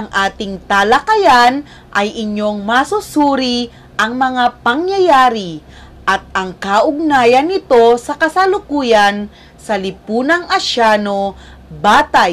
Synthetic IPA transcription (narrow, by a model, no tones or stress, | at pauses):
ɐŋʔaːt̪ɪŋt̪alɐkɐjan | ʔɐjʔɪɲo̞ŋmɐsʊsuːɾi | ʔɐŋmɐŋapɐŋjɐjaːɾi | ʔɐt̪̚ɐŋkaʔʊɡ̚naːjɐnːɪt̪o̞sɐkɐsɐlʊkuːjan | sɐlɪpuːnɐŋʔɐʃaːno̞ | baːt̪aj